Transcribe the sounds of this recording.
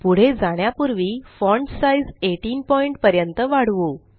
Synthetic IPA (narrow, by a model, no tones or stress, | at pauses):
puɽ̤ed͡zaɽ̃japuɾʋiːfɔɳɖsajd͡zeʈiːnpɔiɳʈ̚pəɾjənt̪əʋaɽʋo